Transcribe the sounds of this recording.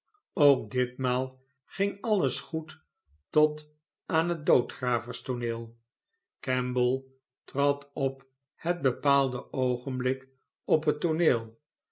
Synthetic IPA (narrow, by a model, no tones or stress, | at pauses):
owk̚dɪtmaːlˠ | χɪŋɑləsχut | tɔt | ʔaːnɦət̚dowtχraːvəɹstonɪːlˠ | kɛmbəlˠ | trɑtɔp | həd̚bəpaːlˠdəowχənblɪk | ɔpɦətːoneːlˠ